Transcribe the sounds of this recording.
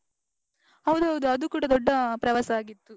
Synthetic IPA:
hɐʋd̪uɦɐʋd̪uɐd̪ukuːɽɐd̪ɔɖːɐpɾɐʋasɐaːɡit̪ːu

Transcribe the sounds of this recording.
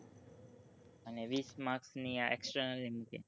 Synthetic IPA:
əneʋiːsmaksniaeksʈənəlːimukḛ

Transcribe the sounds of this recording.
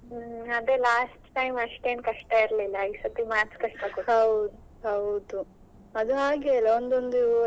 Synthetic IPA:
ɐd̪eːlaːsʈʈɐjmɐʂʈeːnkɐʂʈɐiɾlilːɐisɐt̪imaːɾskɐʂʈɐkuhɐwd̪u | ɦɐwd̪u | ɐd̪uɦaːɡeːlɐond̪ond̪i

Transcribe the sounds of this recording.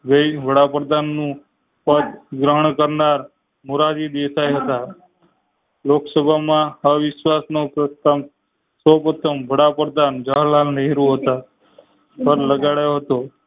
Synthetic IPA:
ɡəiʋəɽapɾəd̪ʱanːũ | pət̪ɡɾəɦəɳkəɾnaɾ | muɾad͡ʒid̪esajɦət̪a | loksəbʱamãəʋɪsʋasnopɾəst̪am | səpot̪ʰəmʋəɽapɾəd̪ʱand͡ʒəɦlalnəɦiɾũɦət̪a | pʰəɾləɡaɽjoɦət̪o

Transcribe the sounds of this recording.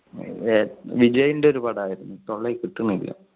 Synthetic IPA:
ʋid͡ʑɐjindeo̞ɾupɐɽaːjiɾunːut̪o̞ɭːekiʈːunːuilːɐ̰

